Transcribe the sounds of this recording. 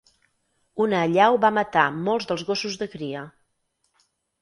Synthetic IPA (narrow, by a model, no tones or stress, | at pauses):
unəːʎawβamət̪amolˠzðəlˠzɣosuzðəkɾiə